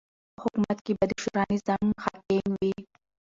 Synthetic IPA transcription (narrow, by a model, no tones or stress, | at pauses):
hʊkumat̪kibɐd̪iʃuɾɑnizaŋɡxat̪emwi